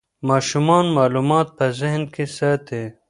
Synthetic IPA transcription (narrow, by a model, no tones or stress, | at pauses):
mɑːʃumɑːnmɑːlumɑːt̪̚pɐzɪɦnkesɐt̪ʰe